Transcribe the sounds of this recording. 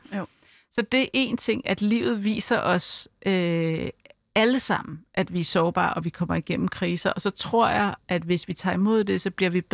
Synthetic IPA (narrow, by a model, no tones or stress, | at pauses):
sɒ̽d̥e̝ʔe̝ːnt͡sʰe̝ŋ̰æd̥lḭʊð̞̩ˠʋḭːsɐʔɒ̽sʔø | æləsɑ̈m̰n̩ʔæd̥ʋiæɐsɒʊb̥ɑ̰̈ːɒ̽ʋikʰɒ̽m̰ɐiɡ̥en̰m̩kʰʁiːsɐɒ̽sɒ̽t͡sʰʁo̝ɐ̰jɑ̈ɪʔæd̥ʋe̝sʋit͡sʰɑ̰̈ːimo̝ð̞̰ˠd̥e̝sɒ̽b̥liɐʋib̥